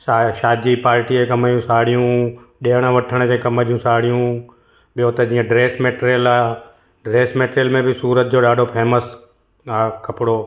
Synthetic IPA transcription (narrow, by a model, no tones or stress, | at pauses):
saʃaːd̪ipaːɾʈiekɐmajũsaːɽijũɗeːəɽ̃əʋɐʈʰəɽ̃d͡ʑẽkɐməɾijũsaːɽijũ | ɓɪjot̪ɐd͡ʑiːə̃ɖɾeːsmeːʈɾəlaː | ɖɾeːsmeːʈɾjəlmẽbʱɪsuːɾət̪̚d͡ʑoːɗaːɖʱopʰeːməs | akʰɐpɽoː